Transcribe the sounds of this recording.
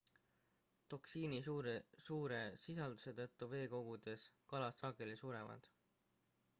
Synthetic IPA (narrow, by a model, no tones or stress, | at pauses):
t̪o̞ksiːniɾsuːɾe̞sisɑld̪use̞t̪ɤ̞t̪ːˑuve̞ːko̞ɡ̥ud̪̥e̞skɑlɑsːɑɡe̞lisuːɾe̞mɑ̰d̪̥